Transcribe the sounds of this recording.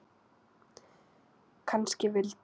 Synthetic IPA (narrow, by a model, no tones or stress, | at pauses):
kʰanscɪvɪlt̪